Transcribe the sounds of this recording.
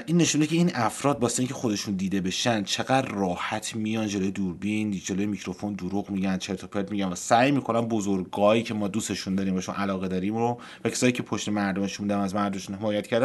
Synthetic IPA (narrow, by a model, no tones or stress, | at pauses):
ʔinːe̞ʃund̪ecʰeiːnʔæfɾɒːd̪̚bɒːseincʲʰexo̞d̪e̞ʃund̪iːd̪e̞be̞ʃænd̪t͡ʃʰe̞ɣæd̪rɒːhæt̪ʰmijɒnd͡ʒelojed̪uːɾbind͡ʒelojemicɾo̞fo̞nd̪oɾuɣmiɟænd̪t͡ʃʰeɾt̪ʰopʰeɾd̪miɟænvæsæjmiːkʰo̞nænbozoɾɡɒːjiːcʰemɒːd̪uːse̞ʃund̪ɒːɾiːmvæʃonʔælɒːɣed̪ɒːɾimɾo | væcʰe̥sɒːjiːcʰe̞pʰoʃt̪e̞mæɾd̪o̞meʃuund̪æmæzmæɾd̪omeʃunhemɒːjæt̪kʰcʰæɾd̪æ